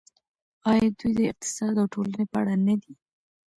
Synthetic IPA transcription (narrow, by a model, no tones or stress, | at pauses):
ɑjɑd̪ujd̪əɪq̚t̪ɪ̥sɑd̪awʈolanepəa̰ɽanad̪i